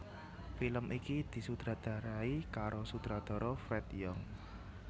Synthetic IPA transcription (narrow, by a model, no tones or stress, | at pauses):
filəmʔikid̪̥i̤sud̪̥ɾad̪̥a̤ɾaikaɾosud̪̥ɾad̪̥ɔ̤ɾɔfɾɛt̪jɔŋ